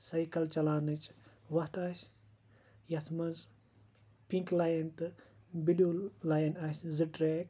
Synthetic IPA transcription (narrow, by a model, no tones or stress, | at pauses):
sɐjkɐlt͡ʃɐlaːnɨt͡ʃʼʋɐht̪ɐʃʲ | jɐt̪ʰmɐnz | piŋklaːjɐnt̪ɨ | biɖiolaːjɐnɐsʲzɨʈɾeːk